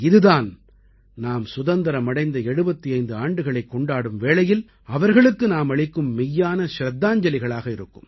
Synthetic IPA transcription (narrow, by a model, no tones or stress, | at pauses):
ɪðɯðaːn | naːmsʊðɐnd̪ɐɾɐmɐɽɐɪnd̪ɐɛɽɯbɐt̪ːiɐɪnd̪ɯaːɳɖɯɣɐɭɐɪkːɔɳɖaːɽɯmʋeːɭɐjɪl | ɐʋɐɾɣɐɭɯkːɯnaːmɐɭɪkːɯmːɪjːaːnɐʃɾɐd̪ːaːɲd͡ʒɐlɪɣɐɭaːɣɐɪɾɯkːɯ̰m